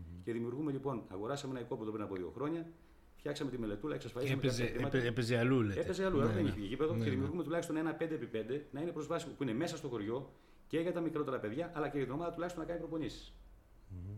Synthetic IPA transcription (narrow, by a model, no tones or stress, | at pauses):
ce̞ðimiuɾɣume̞ʎipo̞nɐ̰ɣo̞ɾɐsɐmeenɐiko̞peðopɾinɐpoðio̞̰xɾo̞ɲɐ | fçɐksɐmet̪ime̞le̞t̪ulɐeksɐsfɐlismeɐɾiɐt̪pezeɐluleeezeɐluɐɣoðeniçiicipeðoeðimiuɾɣume̞t̪ulɐçist̪o̞ne̞nɐpnd̪epipend̪e̞nɐinepɾo̞zvɐsiopuine̞mesɐst̪o̞xo̞ɾʝo̞ | ce̞ɣɐt̪ɐmikɾo̞t̪e̞ɾɐpe̞ðʝɐʔɐlɐceɣɐt̪ino̞mɐðɐt̪ulɐçist̪onɐkɐnipɾopo̞nisi̥s